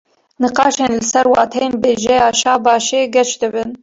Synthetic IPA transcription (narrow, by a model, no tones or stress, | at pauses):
nɨqɑːʃeːnlɨsɛɾwɑːt̪ʰɛjeːnbeːʒɛjɑːʃɑːbɑːʃeːɡɛt͡ʃd̪ɨbɨn